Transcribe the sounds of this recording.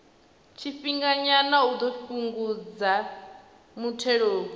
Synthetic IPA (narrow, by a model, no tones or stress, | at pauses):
t͡ʃʰiɸiŋɡaɲanaud̪ofuŋɡud͡za | mutʰɛɺoːbu